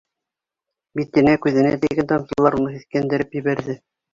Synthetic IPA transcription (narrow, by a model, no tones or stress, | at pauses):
bit̪ːɘ̆nækʉðɘ̆næ̰t̪iɡænt̪ɑnsɤlˠːɑɾunɤsiθkænd̪ɘ̆ɾɘpjɘ̆βæɾðɘ